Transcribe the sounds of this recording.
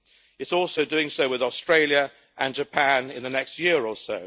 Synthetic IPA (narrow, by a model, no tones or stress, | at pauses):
ɪtsɔˑlˠsəʊdʉɪ̃ŋsəʊwɪðɔstɹ̥eɪljə | ʔə̃nd͡ʒəpʰæ̃nɪ̃nðənɛkstjɪəɹɔˑsəʊ